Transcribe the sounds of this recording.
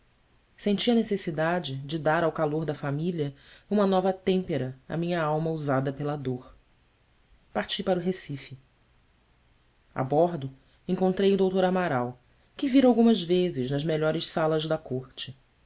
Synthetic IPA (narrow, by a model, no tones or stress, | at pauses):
sẽnt͡ʃiɐnesesid̪ad͡ʒɪd͡ʒɪd̪aɾawkaloɾd̪ɐfamiliɐũmɐnɔvɐt̪ẽmpeɾɐɐ̰mĩɲɐawmɐuzad̪ɐpelɐd̪oχ | paɾt͡ʃipaɾuɦesifɪ | a̰bɔɾd̪ʊ | ẽŋkõnt̪ɾejud̪owt̪oɾamaɾaw | kɪviɾawɡũmɐzvezɪʒnɐzmeʎɔɾɪʃsalɐʒd̪ɐkoχt͡ʃɪ